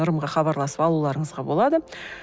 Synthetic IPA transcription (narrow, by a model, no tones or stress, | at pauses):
ʊɾəmʁɑχɑβɑɾlˠɑsəpɑlˠulˠɑɾəɴəzʁɑbo̞lˠɑd̪ə